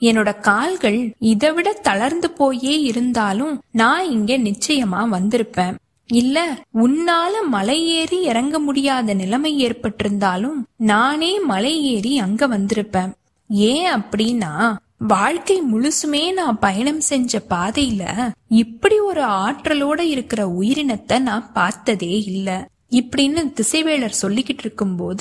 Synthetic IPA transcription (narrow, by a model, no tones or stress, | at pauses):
ɛnːɯɽɐkaːlɣɐɭɪðɐʋɪɽɐt̪ːɐlɐɾnd̪ɯpoːjeːɪɾɯnd̪aːlɯmnaːɪŋɡeːnɪt͡ʃːɐjɐmaːʋɐnd̪ɪɾɯpːẽːn | ɪlːɐʊnːaːlɐmɐlɐjeːɾiɪɾɐŋɡɐmʊɽɪjaːðɐnɪlɐmɐɪeːrpɐʈːɪɾɯnd̪aːlɯmnaːneːmɐlɐɪeːɾiɐŋɡɐʋɐnd̪ɪɾɯpːẽːn | eːɐpːɐɽinːaː | ʋaːɻkɐɪmʊɻʊsɯmeːnãːpɐjɐɳɐmsɛɲd͡ʒɐpaːðɐjɪlɐ̰ɪpːɐɽiɔɾɯaːʈrɐloːɽɐɪɾɯkːɪrɐʊjɪɾɪnɐt̪ːɐnãːpaːɾt̪ɐðeːɪlːɐ | ɪpːɐɽɪnːɯt̪ɪsɐɪʋeːɭɐɾsɔlːɪkːɪʈːɪɾɯkːɯmpoːðɯ